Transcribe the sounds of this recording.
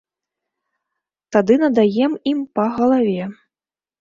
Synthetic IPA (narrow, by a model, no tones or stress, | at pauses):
t̪ad̪ɨnɐd̪ajɛmimpɐɣɐlˠavʲɛ